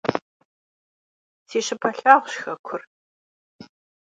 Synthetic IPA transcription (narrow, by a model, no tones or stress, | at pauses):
tʰeːɕɪpʰɐɬaːʁʷɕxɐkʷʰʊr